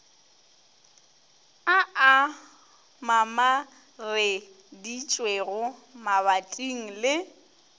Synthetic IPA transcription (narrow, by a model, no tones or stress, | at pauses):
aa | mama | rɪ | dit͡ʃʼweɣʊmaβatʼiŋ̩lɪ